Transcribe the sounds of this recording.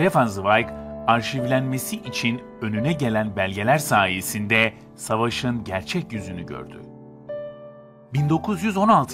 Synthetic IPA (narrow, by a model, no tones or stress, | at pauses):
efanzvajkaɾʃivlʲænme̞siʔːt͡ʃʰin | ø̞nynɛɟe̞lʲænbælʲɟe̞lʲæɾsaːje̞sind̪ɛ | savaʃɯnɟæɾt͡ʃʰɛcjyzynyɟø̰ɾd̪y̰ | bind̪o̞kʰuzjyzo̞nalˠt̪ʰ